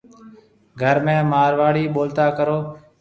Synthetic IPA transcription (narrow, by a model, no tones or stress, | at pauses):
ɡʱəɾmẽːmaːɾʋaːɽiːɓoːlt̪aːkəɾoː